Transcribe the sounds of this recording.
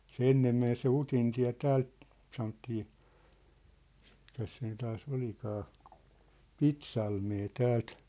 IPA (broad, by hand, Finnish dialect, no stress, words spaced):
se enːem men se utintiæ̝ tæːlt sɑnotːiː mikæs siːn tɑːs olikɑː pitsɑlmeː tæːlt